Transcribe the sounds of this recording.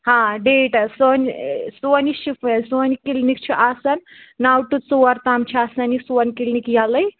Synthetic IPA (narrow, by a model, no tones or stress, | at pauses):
hãːɖeːʈɐsoːnʲsoniʃifʰɐsoːnʲkilnik̚t͡ʃʰiʔasɐnnawʈut̪t͡soɐɾt̪aːmt͡ʃʰiasɐnisoɐnʲkilnikjalɐj